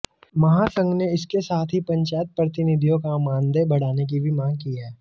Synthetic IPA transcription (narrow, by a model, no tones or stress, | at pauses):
mɐɦasə̃ŋɡneɪskesaːt̪ʰɦipɐ̃ɲt͡ʃaːjət̪̚pɾɐt̪ɪnɪd̪ʱijõkamãːnd̪ebɐɽ̤aːnek̬ibʱimãːŋɡkiɦɛː